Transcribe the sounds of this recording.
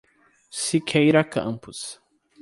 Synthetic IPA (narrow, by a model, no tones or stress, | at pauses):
sikʰejɾɐkʰɐ̰̃mpʊs